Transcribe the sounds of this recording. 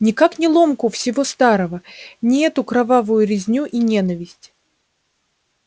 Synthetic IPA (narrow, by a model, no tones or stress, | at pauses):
nʲɪkaknʲɪlˠo̞mkʊfsʲɪvo̞st̪aɾəvənʲɪɛt̪ʊkɾɐvavʊjʊɾʲɪzʲnʲuʔinʲen̪əvʲɪsʲtʲ